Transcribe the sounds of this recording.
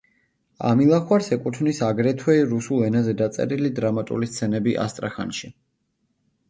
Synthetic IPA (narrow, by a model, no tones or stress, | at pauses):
a̰milˠaχwaɾsɛkʼut̪ʰnisaɡɾɛt̪ʰwɛiɾusulˠɛnazɛd̪at̪sʼɛ̰ɾilid̪ɾamat̪ʼṵlist̪sʰɛnɛbiʔa̰st̪ʼɾaχa̰nʃi